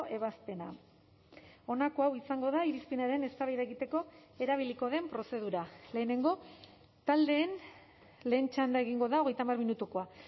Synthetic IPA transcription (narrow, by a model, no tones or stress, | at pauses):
e̞βaspe̞na̰ | o̞nako̞awisaŋɡo̞ðaiɾispinaɾe̞ne̞st̪aβajðeɣit̪e̞ko̞e̞ɾaβ̞iliko̞ð̞e̞mpɾo̞se̞ð̞uɾale̞ːne̞ŋɡo̞ | t̪ald̪e̞ːn | le̞ːnt͡ʃand̪ae̞ɣiŋɡo̞ðao̞ɣ̞e̞jt̪amarminut̪ukoa